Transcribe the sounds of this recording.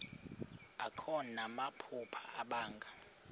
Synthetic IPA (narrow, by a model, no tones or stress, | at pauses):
akʰɔnamapʰupʰaaɓaːŋɡʱa